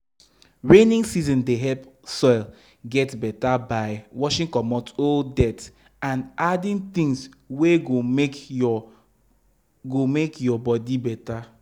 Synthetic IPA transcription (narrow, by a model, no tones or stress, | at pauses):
ɹẽnĩŋsizɔ̃ndeɦɛlpsɔɪl | ɡɛtbɛtabaɪwɔʃĩŋkɔmɔtodɛt | ãnadĩnt̪ĩŋs | weɡo | ɡomekjɔbɔdibɛta